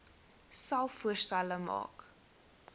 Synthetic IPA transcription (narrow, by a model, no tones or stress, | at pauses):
sɐlˠfuərstæləmɑ̰ːk